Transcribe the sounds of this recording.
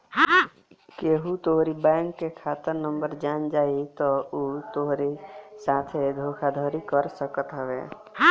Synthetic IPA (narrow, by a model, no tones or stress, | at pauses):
keɦut̪oɦɾibɛ̃ːŋkːekʰaːt̪əɾnəmbəɾd͡ʒaːnd͡ʒaːit̪ɔot̪oɦɾisaːt̪ʰed̪ʱoːkʰad̪ʱɔːɾikəɾsəkət̪ɦəʋḛː